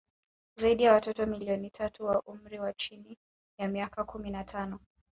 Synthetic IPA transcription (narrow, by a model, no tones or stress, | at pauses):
zaiɗijawatɔtɔmiliɔnitʰatuwaʔum̩ɾiwat͡ʃini | jamiakakʰuminatʰanɔ